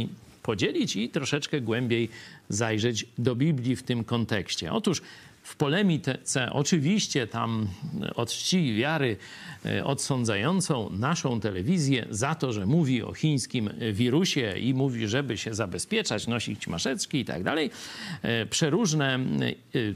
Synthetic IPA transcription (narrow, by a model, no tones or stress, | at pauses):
pɔd͡ʑelʲit͡ɕit̪ɾɔʂɛt͡ʂkɛɡwɛmbʲjejzajʐɛd͡ʑd̪ɔbʲiblʲift̪ɘmkɔnt̪ɛkɕt͡ɕɛ̰ʔɔt̪uʂ | fpɔlɛmʲit̪ɛt̪sɛʔɔ̰t͡ʂɘvʲiɕt͡ɕɛt̪a̰mɔt̪ɕt͡ɕivʲjaɾɘ | ɔt̪sɔnd̪zajɔnt̪sɔ̃w̃naʂɔ̃w̃t̪ɛlɛvʲizʲjɛ̰zat̪ɔʐɛmuvʲiɔ̰xʲĩj̃skʲimvʲiɾuɕɛimuvʲiʐɛbɘɕɛzabɛspʲjɛt͡ʂat͡ɕnɔɕit͡ɕma̰ʂɛt͡ʂkʲiit̪a̰ɡ̚d̪alɛj | pʂɛɾuʐnɛ